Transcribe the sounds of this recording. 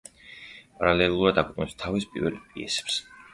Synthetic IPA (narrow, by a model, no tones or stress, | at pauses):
pʼaɾalɛlˠuɾad̪akʰʷʼuɛt̪ʼnɛpst̪ʰavispʼḭɾvɛ̰lpʼiɛ̰sɛ̥ps